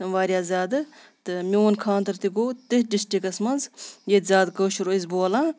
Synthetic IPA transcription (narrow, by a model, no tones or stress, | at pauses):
ʋaːɾʲjaːzʲaːd̪ɨ | t̪ɨmʲionkʰaːnt̪ɐɾt̪iɡoːt̪ɨhɖisʈikɐsmɐnzjet̪zʲaːd̪kəːʃuɾoizboːlaː